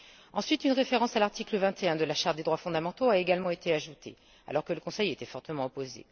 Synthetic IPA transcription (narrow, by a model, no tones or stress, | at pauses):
ɑ̃sɥit̪ynʁefeʁɑ̃salaʁt̪ikləvɛ̃t̪eɛ̃d̪əlaʃaʁt̪̚d̪ed̪ʁwafɔ̃d̪amɑ̃t̪oaeɡalmɑ̃et̪ʰeaʒut̪ʰḛ | a̰lɔʁkələkɔ̃sɛjet̪ɛfɔʁt̪əmɑ̃ɔpozḛ